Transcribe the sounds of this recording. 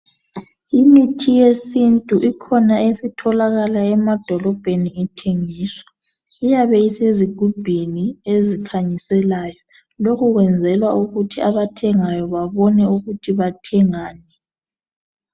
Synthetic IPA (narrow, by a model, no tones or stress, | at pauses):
imitʰijesintʼuʔikʰɔnaesitʰɔlaɣalaɛmad̥ʱɔlɔb̥ʱeniitʰeŋiːswḁ | ijaβɛiseziɡ̥ʱub̥ʱiniezikʰaɲisɛlajɔ | lokuɣwɛnd͡zʱɛlwauɣutʰiaβatʰɛŋajɔβaβɔnɛuɣutʰiβatʰɛŋaːnɛ